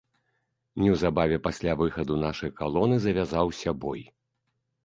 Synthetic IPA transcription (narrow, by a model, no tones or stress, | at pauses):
nʲɛwzabavʲɛpasʲlʲavɨxɐd̪unaʂɐjkalˠɔnɨzɐvʲazawsʲɐbɔj